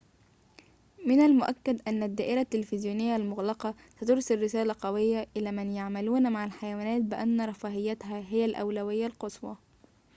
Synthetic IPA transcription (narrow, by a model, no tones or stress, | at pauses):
mɪnalmʊʔæ̰kːæd̪ʔænːæd̪ːæːʔɪɾæt̪ːɪlfɪzjuːnɪjːalmʊɣlɑqɑ | sæt̪ʊɾˤsɪlːɪsæːlæqɑwɪjːaʔɪlæːmænjaʕmæluːnmaʕalħajæwæːnæːt̪̚bɪʔænːɾˤɑfɑːhɪjːæt̪ɦæɦɪjælʔæ̰wlæwɪjːalqɑsˤwɑ̰